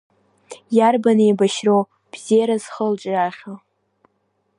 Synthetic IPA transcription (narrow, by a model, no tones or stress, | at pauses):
jarbanejbaʃrow | b̥z̥ejaɾaz̥χəlt͡ʃʼraχʲo